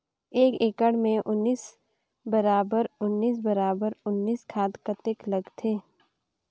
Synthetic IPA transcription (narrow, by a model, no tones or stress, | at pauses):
eːkeːkəɽmẽʔʊnːiːs | bəɾaːbəɾʊnːiːs̬bɐɾaːbəɾʊnːiːskʰaːt̪kət̪eklɐɡt̪ʰeː